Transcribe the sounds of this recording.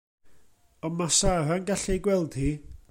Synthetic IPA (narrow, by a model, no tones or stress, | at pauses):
ɔmasaɾanɡaɬɛjɡwɛlˠd̥hi